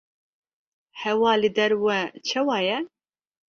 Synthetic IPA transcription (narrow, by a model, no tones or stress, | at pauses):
hɛwɑːlɨd̪ɛɾwɛt͡ʃʰɛwɑːjɛ